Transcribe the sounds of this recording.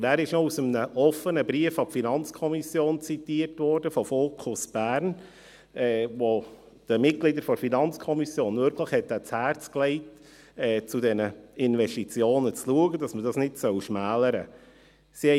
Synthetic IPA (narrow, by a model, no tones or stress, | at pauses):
æːɾɪʃnɔusəmənəʔɔfənəbɾiəfɑpfinɑnt͡skʰɔmisjoːnt͡sitiːrtvɔːɾdəfɔfoːkʰʊsb̥æːɾn | ʔɛːvo | d̥əmɪt̚ɡ̥lidəɾfɔɾfinɑnt͡skʰɔmisjoːnvʏɾkʰləχhɛt̚dæt͡shæːɾt͡sklɛɪt | ɛːt͡sudɛnəɪnvɛstit͡sjoːnət͡sluəɡəd̥ɑsmədɑsnɪdsœwʃmæːləɾə | siɛ